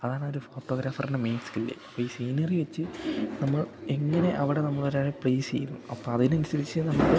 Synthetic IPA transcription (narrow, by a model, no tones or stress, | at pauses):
ɐðaːɳooɾufo̞ːʈːo̞ːɡɾaːfɐrinemejnskilːḛɐpːoːiːsiːnɐriʋet͡ɕːɨnɐmːɐɭeŋːɐne̞ʔɐʋiɽe̞nɐmːɐɭo̞ɾaːɻɨpɭeːsḛjunːuɐpːoːɐðinɐnusɐɾit͡ɕːɨnɐmːɐɭɨ